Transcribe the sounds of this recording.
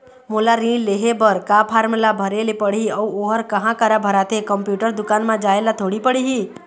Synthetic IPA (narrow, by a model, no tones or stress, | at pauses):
molaɾĩleɦebəɾkapʰaːɾmlabʱəɾelepəɽiəuoɦəɾkəɦãkəɾabʱəɾaːt̪ekəmpjuːʈəɾd̪ʊkaːnmãd͡ʒaelat̪ʰoɽipəɽiɦi